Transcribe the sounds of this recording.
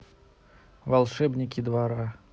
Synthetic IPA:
valˠʂɛbnʲikʲid̪vaɾa

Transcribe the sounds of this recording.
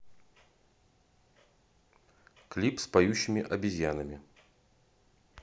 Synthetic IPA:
klʲipspajuɕːɪmʲɪʔɐbʲɪzʲjanɐmʲɪ

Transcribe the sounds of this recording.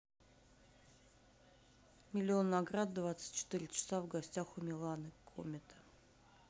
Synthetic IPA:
mʲɪlʲɪo̞nːɐɡɾad̪d̪vat̪sɨ̥t̚ʲt͡ɕɪ̥t̪ɨɾʲɪt͡ɕɪ̥savɡɐsʲtʲaxʊmʲɪlˠanɨkʰo̰mʲɪt̪ʰə̥

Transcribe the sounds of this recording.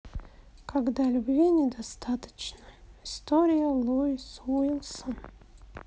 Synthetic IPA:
kaɡd̪alʲʊbvʲinʲɪd̪ast̪at̪ə̥t͡ɕnəɪst̪oɾʲɪjəlˠojsvuilˠsən

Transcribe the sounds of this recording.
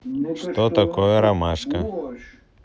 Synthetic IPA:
ʂt̪ɔt̪ɐkɔjɛɾɐmaʂkɐ

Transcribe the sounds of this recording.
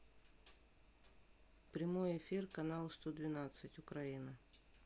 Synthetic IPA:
pɾʲɪmo̞jɪfʲirkɐnalˠst̪od̪vʲɪnat̪sɨtʲʊkɾɐinə

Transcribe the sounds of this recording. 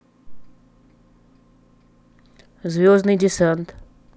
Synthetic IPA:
zvʲoznɨjd̪ʲɪsɛnt̪

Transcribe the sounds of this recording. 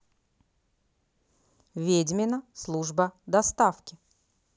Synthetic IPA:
vʲedʲmʲɪnəslˠuʐbəd̪ɐst̪afkʲɪ

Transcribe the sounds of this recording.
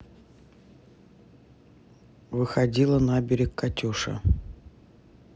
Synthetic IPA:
vɨxɐdʲilˠənabʲɪɾʲɪkkːɐtʲuʂə̰

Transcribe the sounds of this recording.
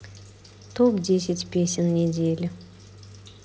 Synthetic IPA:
t̪ʰopd̪ʲes̬ʲɪt̪ʲpʲesʲɪnːed̪elʲɪ

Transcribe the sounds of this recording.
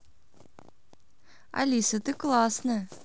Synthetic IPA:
a̰lʲisət̪ɨklˠɑsnɨ

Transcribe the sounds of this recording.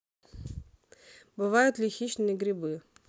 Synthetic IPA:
bɨʋɑjʊt̪ʲlʲixʲit͡ʃnɪiɡɾʲibɪ

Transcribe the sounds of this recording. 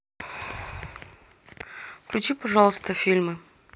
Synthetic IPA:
klʲʊt͡ɕipɐʐɑlˠəst̪əfʲilʲmɨ

